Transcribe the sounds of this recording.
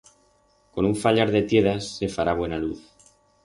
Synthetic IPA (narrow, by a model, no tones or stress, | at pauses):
ko̞nuɱfaʎaɾðe̞t̪je̞ðasːe̞faɾaβ̞we̞naluθ